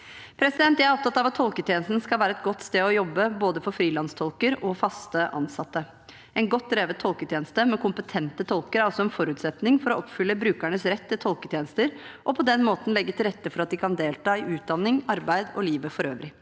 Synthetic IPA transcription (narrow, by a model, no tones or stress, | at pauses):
pʰɾɛsɪd̪ɛnt̪jææɾɔpt̪ɑt̪ːɑʋɑt̪ʰːɔlkət̪ʰjeːnəst̪nskɑlʋæːɾəɛt̪̚ɡɔt̪ːst̪eːɔjɔbːəboːd̪əfɔɾfɾiːlɑnst̪ʰɔlkəɾɔfɑst̪əʔɑ̰nsɑt̪ːə | ɛnɡɔt̪ːɾeːʋət̪t̪ʰɔlkət̪ʰjeːnəst̪əmɛkʰʊmpət̪ʰɛnt̪ət̪ʰɔlkəɾæɾɔsɔɛnfɔɾʉːt̪sɛt̪nɪŋfɔɾɔɔpfʏlːəbɾʉːkæɳəsɾɛt̪ːɪt̪ʰɔlkət̪ʰjeːnəst̪əɾʔɔpʰɔd̪ɛnmoːt̪n̩lɛɡːət̪ʰɪlɾɛt̪ːəfɔɾɑt̪̚d̪ɪkʰɑnd̪eːlt̪ʰɑːɪʔʉːt̪̚d̪ɑnːɪŋɑɾbæɪd̪ɔliːʋəfɔɾøːʋɾɪ